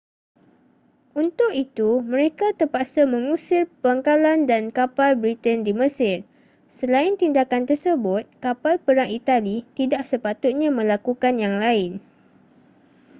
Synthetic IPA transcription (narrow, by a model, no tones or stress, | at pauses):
ʔunt̪ʊk̚it̪umə̃ɾekat̪ərpaʔsamə̃ŋũsɪrpaŋkalandankapalbɾit̪əndiməsɪr | səlaɪnt̪indakant̪ərsəbʊt̪̚kapalpəɾaŋit̪alit̪idaʔsəpat̪ʊt̪̚ɲãmə̃lakukanjaŋlaɪn